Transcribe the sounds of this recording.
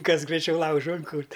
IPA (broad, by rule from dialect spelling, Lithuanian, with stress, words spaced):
ˈkɐs ɡrɐɪˈt͡ʃʲɛʊ ˈlˠɐʊʒʊ ɪŋˈkʊrʲtʲ